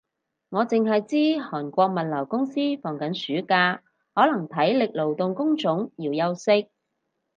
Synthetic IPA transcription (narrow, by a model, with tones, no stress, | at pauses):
ŋɔː˨˧t͡sɪ˨ŋɦɐ˨jt͡siː˥hɔː˨˩nkʷɔː˧k̚mɐ˨t̚lɐ˨˩wkʊ˥ŋsiː˥fɔː˨˩ŋkɐ˨˥nsyː˨˥kaː˧ | hɔː˨˥lɐ˨˩ŋt̪ʰɐ˨˥jlɪ˨k̚lo˨˩wt̪ʊ˨ŋkʊ˥ŋt͡ʃʊ˨˥ŋjiː˨˩wjɐ˧wsɪ˥k̚